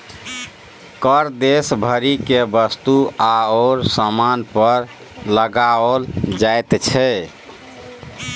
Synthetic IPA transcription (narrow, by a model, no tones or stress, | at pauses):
kəɾd̪esbʱəɾikebəst̪uaoːɾsamanpəɾ | ləɡaold͡ʒajt̪t͡ʃʰɛ